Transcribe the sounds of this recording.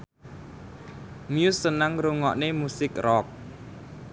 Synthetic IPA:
mjusənaŋruŋɔ̰ʔnemusik̚rɔːk̚

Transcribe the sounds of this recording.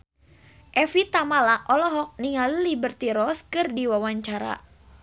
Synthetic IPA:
ʔɛfit̪amalaʔɔlɔɦɔk̚niŋalilibərt̪iɾɔskɨrdiwawaɲt͡ʃaɾa̰

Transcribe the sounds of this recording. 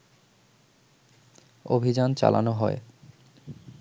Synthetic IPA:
obʱid͡ʑant͡ɕa̰lanoɦɔe

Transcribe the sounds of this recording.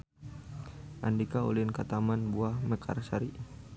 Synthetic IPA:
ʔandikaṵlɪnkat̪amanbuahməkʰa̰rsaɾi

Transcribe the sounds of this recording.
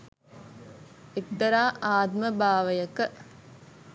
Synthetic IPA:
ek̚d̪ɐɾaːʔaːd̪məbaːʋəjɐkə

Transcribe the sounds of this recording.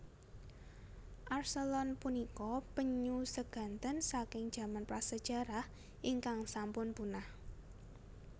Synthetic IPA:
ʔarsəlɔnpunikɔpəɲusəɡ̥a̤nt̪ənsakɪŋd̥ʒ̥ä̤manpɾasəd̥ʒ̥a̤ɾah | ʔiŋkaŋsampʊnpunah

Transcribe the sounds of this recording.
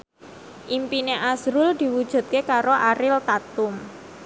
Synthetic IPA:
ʔimpineʔasɾʊld̪̥i̤wud̥ʒ̥ṳt̪̚kekaɾoʔaɾɪlt̪at̪ʊm

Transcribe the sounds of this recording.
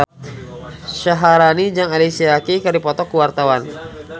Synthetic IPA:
ʃaɦaɾanid͡ʒaŋalisiakikɨrdipɔt̪ɔkuwart̪awan

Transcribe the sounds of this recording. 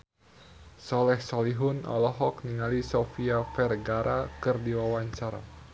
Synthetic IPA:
sɔlɛhsɔliɦʊnɔ̰lɔɦɔk̚niŋalisɔfiafɛrɡaɾʔakɨrdiwawaɲt͡ʃaɾa̰

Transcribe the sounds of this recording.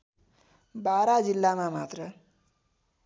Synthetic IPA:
baɾad͡zilːamamat̪rʌ

